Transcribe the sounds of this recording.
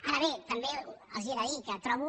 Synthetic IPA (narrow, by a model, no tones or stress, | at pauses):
aɾaβet̪ambea̰siɾaikat̪ɾaβu